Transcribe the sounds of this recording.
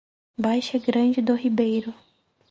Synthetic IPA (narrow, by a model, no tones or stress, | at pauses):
bajʃɛɡɾɐ̃d͡ʒɪd̪ʊhibejɾʊ